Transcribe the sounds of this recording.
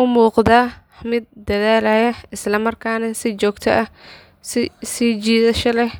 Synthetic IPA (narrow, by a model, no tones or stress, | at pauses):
ʊmuːqdaː | mɪd̪̚ːɐðaːlaːjɐɪslɐmɐrkʰaːnɐsɪt͡ʃɔːɡt̪ʰɐʔɐ | sɪsit͡ʃiːðɐʃɐlɛh